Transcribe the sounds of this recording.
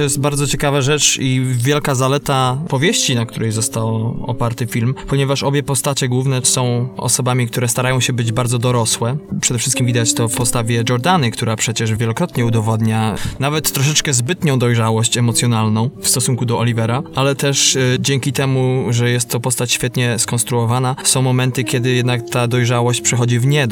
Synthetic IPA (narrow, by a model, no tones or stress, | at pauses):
ɔjɛst̪̚baɾd̪zɔt͡ɕɛkavaʐɛt͡ʂivʲjɛlkazalɛt̪apɔvʲjeɕt͡ɕinakt̪uɾɛjzɔst̪awɔ̰paɾt̪ɘfʲilmpɔɲɛvaʂɔbʲjɛpɔst̪at͡ɕɛɡwuvnɛsɔ̃w̃ɔ̰sɔbamʲikt̪uɾɛst̪aɾajɔ̃w̃ɕɛbɘd͡ʑbaɾd̪zɔd̪ɔɾɔswɛpʂɛd̪ɛfʂɘst̪kʲimvʲid̪at͡ɕt̪ɔfpɔst̪avʲjɛd͡ʒɔɾd̪anɘkt̪uɾapʂɛt͡ɕɛʐvʲjɛlɔkɾɔt̪ɲɛud̪ɔvɔd̪ɲanavɛt̪ːɾɔʂ̬ɛt͡ʂkɛzbɘt̪ɲɔ̃w̃d̪ɔjʐawɔɕt͡ɕɛmɔt̪sʲjɔnalnɔ̃w̃fst̪ɔsuŋkud̪ɔʔɔlʲivɛɾaʔalɛt̪ɛʂd͡ʑɛŋkʲit̪ɛmuʐɛjɛst̪ːɔpɔst̪at͡ɕɕfʲjɛt̪ɲɛskɔ̃nst̪ɾuɔvanasɔ̃w̃mɔmɛnt̪ɘkʲjɛd̪ɘjɛd̪nakt̪ad̪ɔjʐawɔɕt͡ɕpʂɛxɔd͡ʑivɲɛ